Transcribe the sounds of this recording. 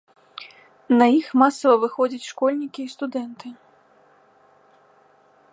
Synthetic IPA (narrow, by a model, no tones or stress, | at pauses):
nɐjixmasɐvɐvɨxɔd͡zʲɐt͡sʲʂkɔlʲnʲikʲiːst̪ud̪ɛnt̪ɨ